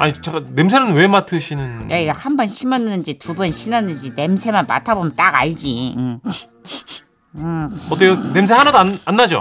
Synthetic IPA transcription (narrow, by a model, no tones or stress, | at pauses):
aɲit͡ɕanemsʰeɾɯnwe̞matʰɯɕʰinɯnjaiɡahambʌnɕʰimʌnɯnd͡ʑitubʌnɕʰimʌnɯnd͡ʑine̞msʰemanma̰tʰabomjʌnt͈aɡa̰ɭd͡ʑiɯ | ɯʌt͈onems̬ʰehanadoananːad͡ʑo̰